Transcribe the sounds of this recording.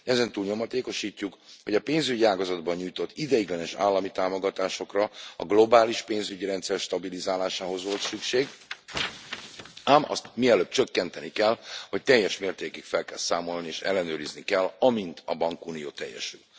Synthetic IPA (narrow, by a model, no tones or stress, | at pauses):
ɛzɛnt̪uːlɲo̞mɒt̪eːko̞ʃiːcːukho̞ɟɒpeːnzyɟiaːɡɒzɒd̪bɒɲɲujt̪o̞t̪ːid̪ɛjiɡlɛnɛʃa̰ːlːɒmit̪aːmo̞ɡɒt̪aːʃo̞krɒɒ̰ɡlo̞baːliʃpeːnzyɟiɾɛnt̪sɛrʃt̪ɒbilizaːlaːʃaːɦo̞zʋo̞lt̪sykʃeːɡ | aːmɒ̰st̪miɛløːp̚t͡ʃø̞kːɛnt̪ɛnikɛlho̞c̚t̪ɛjːɛʃmeːrt̪eːkikfɛlkɛlsaːmo̞lnieːʃɛ̰lːɛnøːɾiznikɛlɒmint̪ɒbɒŋkuːnijo̰ːt̪ɛ̰jːɛ̰ʃy̰l